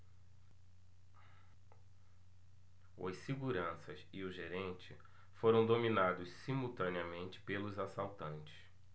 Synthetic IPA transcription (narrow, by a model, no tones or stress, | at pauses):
ɐ̰ssiɡuɾɐ̃sɐsɪʊʒeɾẽnt͡ʃɪ | foɾɐ̃w̃d̪ominad̪ʊssimuwt̪ɐ̃niɐmẽnt͡ʃɪ̥pelʊzasawt̪ɐ̃nt͡ʃɪ̥s